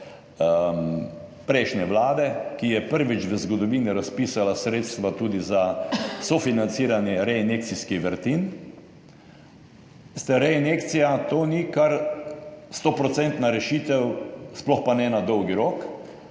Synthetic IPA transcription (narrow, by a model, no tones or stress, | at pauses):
pɾɛɪʃnɛʋlaːd̪ɛkijɛpəɾʋit͡ʃʋəzɡɔd̪ɔʋiːniɾaspiːsalasɾeːt̪st̪ʋat̪uːd̪izasɔfinant̪siːɾanjɛɾɛinek̚t̪siskiʋəɾt̪in | st̪ɛɾɛinekt̪sijat̪oːnikaɾ | st̪oːpɾɔt̪sɛnt̪naɾɛʃit̪ɛwsplɔxpanɛnad̪ɔwɡiɾok